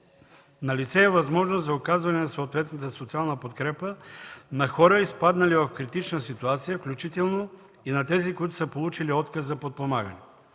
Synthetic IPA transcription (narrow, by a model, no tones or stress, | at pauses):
nɐlit̪sɛːvɐzmɔʒnozzɐokazvɐnɛnɐsoːt̪vɛt̪nət̪əsot̪sialˠnɐpot̪kɾɛpənɐxɔɾəispad̪nɐlivɐfkɾit̪it͡ʃnəsit̪uat̪sijəfklʲut͡ʃit̪ɛlˠno | inɐt̪ɛzikoit̪ʊ̥səpolˠut͡ʃiliɔt̪kəsːɐpot̪̚pomaɡənɛ